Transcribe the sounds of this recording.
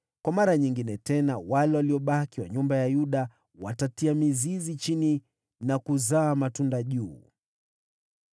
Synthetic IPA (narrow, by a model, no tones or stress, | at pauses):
kwamaɾaɲiŋɡinɛtɛnawalɛwaliɔɓakiwa̰ɲumbajajuɗa | watatiamizizit͡ʃini | nakuzaːmatundaʄuː